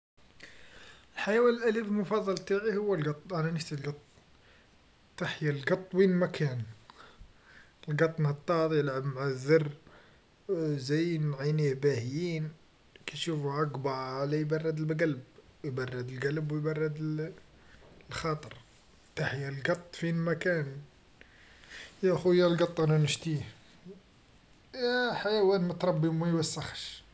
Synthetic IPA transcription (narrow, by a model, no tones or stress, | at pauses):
əlħajæwænəlʔælifəlmʊfɑd̪ˤːɑlt̪ˤaʕihʊwːəlɡɑt̪ˤːʔænænəft̪ilɡɑt̪ˤ | t̪ːaħjælɡɑt̪ˤːwinmækʰæn | lɡɑt̪ˤːnɑt̪ˤːɑd̪ˤjəlʕəbmʕaðːərˤ | zæjnʕinihbæhjin | kæʃufɑɡbɑʕʕlæjbɑrˤːɑd̪əlbɡælbjbɑrˤːɑd̪əlɡælbwjbɑrˤːɑd̪ | lxɑt̪ˤəɾˤ | t̪aħjælɡɑt̪ˤːfinmækæn | jæʔxujælɡɑt̪ˤːʔænænəʃt̪i | jæħajæwænmæt̪ɾˤɑbːimæjwæsːəxʃ